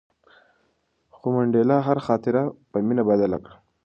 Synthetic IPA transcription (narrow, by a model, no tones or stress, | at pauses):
xumaɳɖelaɦaɾxɑːt̪ɪɾapəminabad̪ala̰kɽa